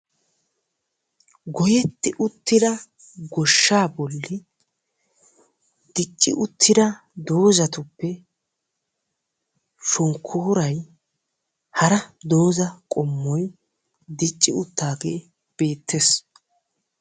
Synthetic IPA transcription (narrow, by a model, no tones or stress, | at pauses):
ɡɔjɛt̪ːɪʔʊt̪ːɪd̪ɐ | ɡɔʃːaːbɔlːɪ | d̪̥ɪt͡ʃʼːɪ̰ʔʊt̪ʰːɪd̪ɐ | d̪o̞ːzɐt̪ʊpːɛ | ʃɔŋkʰːoːɾɐj | hɐɾɐd̪o̞ːzɐkʼɔmːɔj | d̪ɪt͡ʃʼːɪʊt̪ːaːɡeː | b̥e̞ːt̪ːeːs